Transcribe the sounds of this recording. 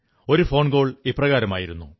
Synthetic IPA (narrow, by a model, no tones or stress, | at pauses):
o̞ɾufo̞ːɳɡo̞ːɭiprɐɣaːɾɐmaːjiɾunːṵ